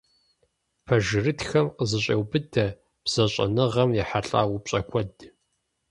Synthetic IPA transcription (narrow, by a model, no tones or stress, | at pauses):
pʰɐʒɪrɨtxɐmqəzɨɕʼewbɨdʰɐ | b̥z̥ɐɕʼɐ̰nɨʁɐmjɛħaɬʼa̰ːwʊpɕʼɐkʷʰɔd